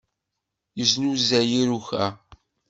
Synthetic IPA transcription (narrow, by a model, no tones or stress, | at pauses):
jəznuzæjiɾuçæ